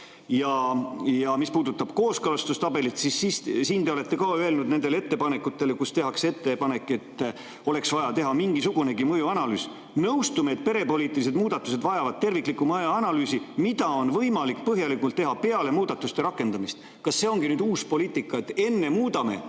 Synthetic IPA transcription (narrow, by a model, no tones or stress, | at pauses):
jɑjɑmispuːd̪ut̪ːˑɑb̥ko̞ːskɤlɑst̪ust̪ɑbe̞lit̪sisːissiːnt̪e̞ole̞t̪ːe̞kɑːøe̞lnud̪ne̞nd̪e̞lee̞t̪ːe̞pɑne̞kːˑut̪ːˑe̞lekust̪e̞ɦɑkse̞t̪ˑːe̞pɑne̞kːˑe̞t̪ːˑ | o̞le̞ksvɑjɑt̪e̞ɦɑmiŋɡisuɡ̥une̞ɡimɤjuɑnɑlyːs | nɤwst̪umeːt̪̚ːˑpe̞ɾe̞po̞liːt̪ːˑilis̬e̞d̪muːd̪̥ɑt̪ːˑuse̞d̪vɑjɑvɑd̪̚t̪e̞rvikˑlikːumɑjuɑnɑlyːsimid̪ɑo̞nvɤjmɑlik̚ːpɤɦjɑlikult̪ːe̞ɦɑpe̞ɑle̞muːd̪̥ɑt̪ːˑust̪e̞ɾɑkːˑe̞nd̪ɑmist̪ | kɑsːe̞o̞ŋɡ̥inyːd̪uːspoliːt̪ˑikːˑɑet̪ːe̞nːe̞muːd̪ɑme̞̰